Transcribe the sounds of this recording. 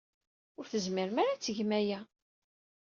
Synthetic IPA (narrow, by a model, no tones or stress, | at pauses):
ʊɾθəzməɾmæɾæt͡sːʝmæjæ